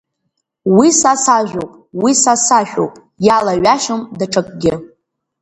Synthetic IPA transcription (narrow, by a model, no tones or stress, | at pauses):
wisasaʒᶣowpʼ | wisasaʃᶣo̰wpʼ | jalaɥaʃɨmdaʈ͡ʂʰakʼɡʲɪ